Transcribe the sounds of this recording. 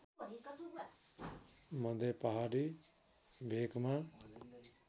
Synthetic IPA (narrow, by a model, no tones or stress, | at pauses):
mʌd̪ʱepaɦaɾi | bʱekma